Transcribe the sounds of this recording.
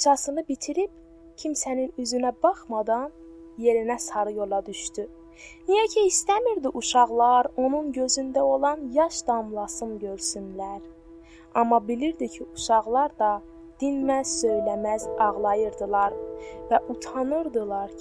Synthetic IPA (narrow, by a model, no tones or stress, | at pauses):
t͡ʃʰɑsɯnɯbit̪ʰiɾib | cʰimsæninyzynæbɑχmɑd̪ɑn | je̞ɾinæsɑɾɯjo̞lˠɑd̪yʃt̪y | nijæcʰiist̪æmiɾd̪iʔuʃɑʁlˠɑɾo̞nunɟø̞zynd̪æo̞lˠɑnjɑʃd̪ɑmlˠɑsɯmɟø̞ɾsynlæɾ | ɑmːɑbiliɾd̪icʰiuʃɑʁlˠɑɾd̪ɑ | d̪̥inmæsø̞jlæmæzɑʁlˠɑjɯɾd̪ɯlˠɑɾvæʔut̪ʰɑnɯɾd̪ɯlˠɑɾ